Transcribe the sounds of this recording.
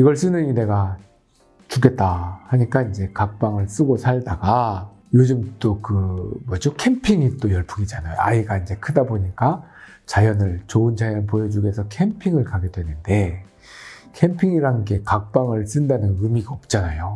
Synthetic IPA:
iɡʌɭs͈ɯnɯɲineɡa | t͡ɕuke̞t̚t͈ahaɲik͈aind͡ʑe̞kak̚p͈aŋɯɭs͈ɯɡosʰaɭdaɡa | jod͡ʑɯmt͈okɯmʌd͡ʑokʰe̞mpʰiŋit͈ojʌɭpʰuɡid͡ʑanajo̰aiɡaind͡ʑe̞kʰɯdaboɲik͈a | t͡ɕajʌnɯɭt͡ɕoɯnt͡ɕajʌnp̬ojʌd͡ʑuɡe̞sʰʌkʰe̞mpʰiŋɯɭkaɡe̞dwe̞nɯnde̞ | kʰe̞mpʰiŋiɾanɡe̞kak̚p͈aŋɯɭs͈ɯndanɯnɯmiɡaʌp̚t͡ɕ͈anajo

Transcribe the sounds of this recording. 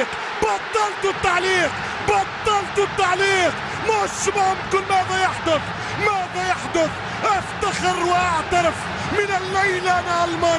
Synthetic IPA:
q | bɑt̪ˤːɑlt̪ʊt̪ːaʕliːq | bɑt̪ˤːɑlt̪ʊt̪ːaʕliːq | mʊaʃːɪbhʊmkʊlːmaːðajaħd̪ʊθ | maːðajaħd̪ʊθ | ʔaft̪axɪɾwʔaʕt̪aɾɪf | mɪnɪlːajlʔanaʔalmaː

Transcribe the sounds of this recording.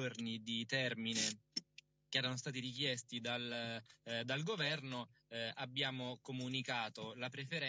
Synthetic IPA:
ornid̪it̪ɛrmine | keɛːɾanost̪aːt̪iɾikjɛst̪id̪al | d̪alɡovɛrnoʔabːjaːmokomunikaːt̪olapɾefeɾɛ

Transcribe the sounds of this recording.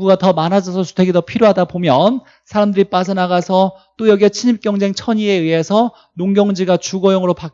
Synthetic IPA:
ɡuɡatʌmanɦad͡ʑʌsʰʌsu̥tʰeɡidʌpʰiɾjoɦadabomjʌn | sʰaɾamdɯɾip͈asʰʌnaɡasʰʌ | t͈ojʌɡiet͡ɕʰiɲip̚k͈jʌŋd͡ʑe̞ŋt͡ɕʰʌɲie̞ɯɦe̞sʰʌ | noŋɡjʌŋd͡ʑiɡat͡ɕuɡʌjoŋɯɾopak

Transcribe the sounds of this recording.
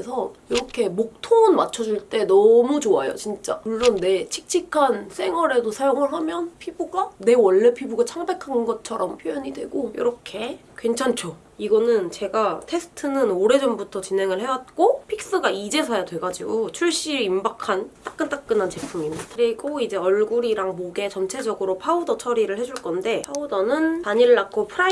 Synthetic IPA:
esʰʌiɾʌkʰe̞mok̚tʰoŋɯnmat͡ɕʰʌd͡ʑuɭt͈e̞nʌmut͡ɕoajo̰t͡ɕint͡ɕ͈auɭːʌnːe̞t͡ɕʰi̥k̚t͡ɕʰikʰansʰe̞ŋwʌɾe̞dosʰajoŋɯɭɦamjʌnpʰibuɡane̞wʌɭːepʰibuɡat͡ɕʰaŋbe̞kʰannɡʌt͡ɕʰʌɾʌmpʰjojʌɲidwe̞̰ɡojḭɾʌkʰe̞kwe̞nt͡ɕʰant͡ɕʰo | iɡʌnɯnt͡ɕe̞ɡatʰe̞sʰɯ̥tʰɯnɯnoɾe̞d͡ʑʌmbutʰʌt͡ɕinɦe̞ŋɯɭɦe̞wat̚k͈opʰik̚s͈ɯɡaid͡ʑe̞sʰajadwe̞ɡad͡ʑiɡot͡ɕʰuɭɕ͈iɾimbakʰant͈ak͈̚ɯnt͈ak̚k͈ɯnant͡ɕe̞pʰumimadʰɾiɡoid͡ʑe̞ʌɭɡuɾiɾaŋmoɡe̞t͡ɕʌmt͡ɕʰe̞d͡ʑʌɡɯɾopʰaudʌt͡ɕʰʌɾiɾɯɭhe̞d͡ʑuɭk͈ʌnde̞pʰaudʌnɯnpaɲiɾɯɭːakʰopʰɯɾa

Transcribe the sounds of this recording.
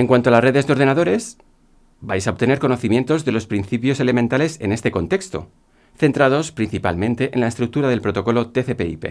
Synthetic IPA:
e̞ŋkwant̪oalasre̞ðe̞zðeo̞ɾðenaðo̞ɾe̞s | bajsao̞β̚t̪e̞neɾko̞no̞θimje̞nt̪o̞zðe̞lo̞spɾinθipjo̞se̞le̞mẽnt̪ale̞sene̞st̪e̞ko̞nt̪ekst̪o̞̰ | θe̞nt̪ɾað̞o̞spɾin̟θipa̰lmẽ̞nt̪eʔenlaest̪ɾuk̚t̪uɾað̞e̞lpɾo̞t̪o̞ko̞lot̪e̞θepe̞̰ḭpe̞̰

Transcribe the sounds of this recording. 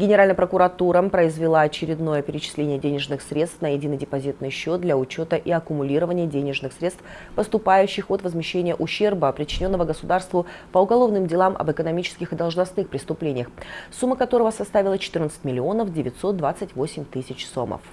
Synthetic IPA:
ɡʲɪnʲɪɾalʲnəjəpɾəkʊɾɐt̪uɾəpɾəɪzvʲɪlˠaɐt͡ɕɪɾʲɪd̪no̞jəpʲɪɾʲɪt͡ɕɪ̥sʲlʲenʲɪjədʲenʲɪʐnɨxsɾʲe̞t̪st̪fnəjɪdʲinɨdʲɪpɐzʲit̪nɨjɕːo̞t̪̚d̪lʲaʊt͡ɕo̞t̪əʔiɐkʊmʊlʲiɾəvənʲɪjədʲenʲɪʐnɨxsɾʲest̪ | pəst̪ʊpajʉɕːɪxot̪vəzmʲɪɕːenʲɪjəʔʊɕːe̞rbəpɾʲɪt͡ɕːɪnʲo̞nːəvəɡəsʊd̪arst̪vʊpəʊɡɐlˠo̞vnɨmdʲɪlˠamʔɐ̰bɨkənɐmʲit͡ɕɪ̥skʲɪxɨd̪ɐlˠʐnɐsnɨxpɾʲɪst̪ʊplʲenʲɪjəxsumːəkɐt̪o̞ɾəvəsɐst̪avʲɪlˠət͡ɕɪ̥t̪ɨrnət̪sɨ̥tʲmʲɪlʲɪo̞nəfdʲɪvʲɪt̪ʲso̞t̪̚d̪vat̪sɨtʲvo̞sʲɪmʲt̪ɨsʲɪt͡ɕso̰mə̰f

